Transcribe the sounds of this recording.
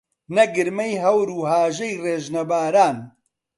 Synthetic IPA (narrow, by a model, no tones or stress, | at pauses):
nɐɡɨɾmɐjɦɐwɾuːɦaːʒɐjreːʒnɐbaːɾaːn